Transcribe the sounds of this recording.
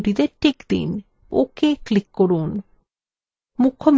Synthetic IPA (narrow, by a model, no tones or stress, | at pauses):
ʈid̪eɾʈikd̪ḭn | o̰keklikːoɾun | mukʰːom